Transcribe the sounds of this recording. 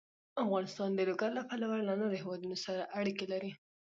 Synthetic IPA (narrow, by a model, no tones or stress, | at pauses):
afɣɑnɪst̪ɑnd̪əloɡaɾlapalawallanad̪hewɑd̪unosaɾaʔaɽikelaɾi